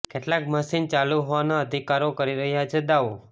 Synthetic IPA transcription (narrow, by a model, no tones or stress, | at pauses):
keʈlãkməsint͡ʃaluɦɔʋanaəd̪ʱikaɾokəɾiɾəɦjat͡ʃʰed̪aʋu